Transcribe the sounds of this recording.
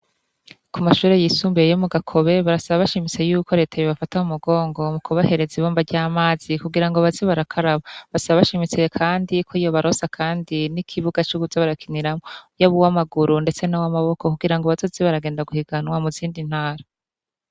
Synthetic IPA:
kumaʃuːɾe̞jiːsuːmbejejomuɡakʰo̞βe̞βaɾasaβaβaʃimit͡se̞juːko̞ɾe̞ːtʰajoβafataumuɡo̞ːŋɡo̞mukʰuβahe̞ɾe̞ziβoːmbaɾɟaːmaːz̥ikuɡiɾaŋɡoβaziβaɾakʰaɾaβaβasaβaβaʃimit͡sekʰaːndikʰoijo̞βaɾo̞sakʰaːndinikʰiβuɡat͡ʃuɡuzaβaɾakiniɾamojaβuwamaɡuɾunde̞t͡se̞nawamaβo̞kokuɡiɾaŋɡoβazoziβaɾaɡeːndaɡuhiɡanwamuziːndin̥haːɾa

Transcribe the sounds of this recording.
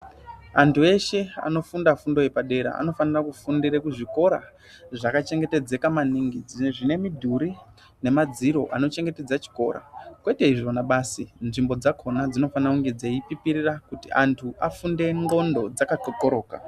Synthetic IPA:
antʰue̞ʃe̞a̰no̞fundafundo̞jepaɗe̞ɾa̰a̰no̞fanirakufundiɾekuʐiko̞ɾa̰ | ʐakat͡ʃe̞ŋɡe̞te̞d͡ze̞kamaniŋɡid͡zʐine̞midʱuɾi | ne̞mad͡ziɾo̞ʔano̞t͡ʃe̞ŋɡe̞te̞d͡zat͡ʃi̥ko̞̰ɾa̰kwe̞te̞iʐo̞naɓaːsinʐimbo̞d͡zakʰo̞nad͡zino̞faniakuŋɡed͡zaipipiɾirakutiʔantʰuʔa̰funde̞ŋɡo̞ndo̞d͡zakakokoɾo̞ːka̰

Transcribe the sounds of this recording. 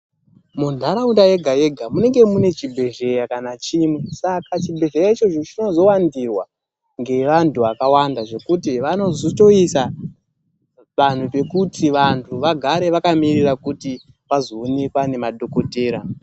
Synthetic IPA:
mundʱaɾaundaje̞ɡʱaje̞ɡʱamune̞ŋɡe̞mune̞t͡ʃibʱe̞ʒe̞jakanat͡ʃimwe̞sakat͡ʃibʱe̞ʒejait͡ʃo̞t͡ʃo̞t͡ʃino̞zo̞wandirwa | ŋɡe̞ʋantʰuakawandaʐo̞kutiʋano̞zoto̞isa | ʋan̤upe̞kutʰiʋantʰuʋaɡʱaɾe̞ʋakamirirakuti | ʋazo̞ːnekwane̞maɗʱo̞ko̞teːɾa

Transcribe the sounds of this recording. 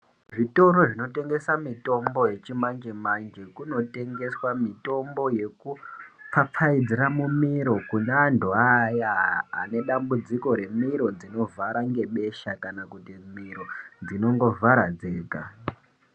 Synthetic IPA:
ʐito̞ɾo̞ʐino̞te̞ŋɡe̞samito̞mbo̞je̞t͡ʃimand͡ʒemand͡ʒe̞kuno̞te̞ŋɡe̞swamito̞mbo̞je̞kup͡fap͡faid͡ziɾamumiɾo̞kunendʱuaja̰ːne̞ɗambud͡ziko̞ɾe̞miɾo̞d͡zino̞vaɾaŋɡe̞ɓe̞ʃakanakutimiɾo̞d͡zino̞ŋɡo̞vʱaɾad͡zeːka̰

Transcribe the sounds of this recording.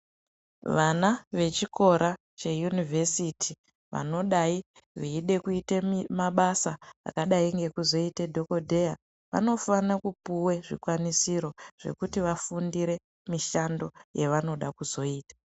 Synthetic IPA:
ʋanaʋe̞t͡ʃiko̞ɾa | t͡ʃejunivʱesitʰi | ʋa̰no̞ɗai | ʋiiɗe̞kuitemaɓasaa̰kaɗaiŋɡe̞kuzo̞itedʱo̞ko̞dʱe̞ja | ʋa̰no̞fanakupuwe̞ʐikwanisiɾo̞ʐ̥e̞̰kutiʋafundiɾe̞ | miʃando̞jeʋano̞ɗakuzo̞iːtḁ

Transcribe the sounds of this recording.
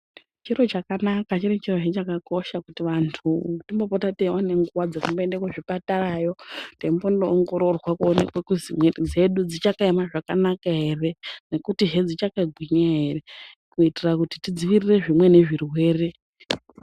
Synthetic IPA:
t͡ʃiro̞t͡ʃakanakat͡ʃiɾit͡ʃiro̞t͡ʃet͡ʃakako̞ʃakutiʋantʰutimbo̞potatewane̞ŋɡuwad͡zakumboendekweʐipatarajo̞tembondoːŋɡo̞ɾo̞rwakuonḛkwekuzimwed͡ze̞ɗud͡zit͡ʃakaemaʐakanakaɦe̞re̞ne̞kutiʒed͡zit͡ʃakaɡʱwiɲaɦe̞re̞ | kuitirakuti̥tid͡ziʋiire̞ʐimwe̞ne̞ʐirwe̞ːre̞

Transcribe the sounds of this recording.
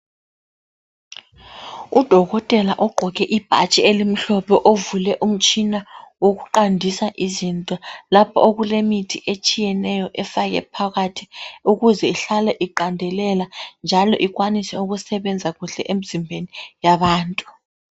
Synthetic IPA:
ud̥ʱɔɣɔtʼɛlaʔɔɡ͡ǃʱɔɣ̬ɛʔib̥ʱa̰t͡ʃʼielim̩ɬɔpʰɛʔovulɛʔum̩t͡ʃʼinawok̬uǃandʱisaʔizintʼɔlapʰɔoɣulemitʰiʔet͡ʃʼijɛnɛjɔʔɛfaɣ̬ɛ̰pʰaɣatʰi̥uɣuzɛiɬalɛʔiǃandʱɛlɛland͡ʒʱalɔ̰ʔiɣwanisɛuɣ̬usɛɓɛnd͡zʱaɣuɮɛʔem̩zimbʱenijaɓaːntʼu

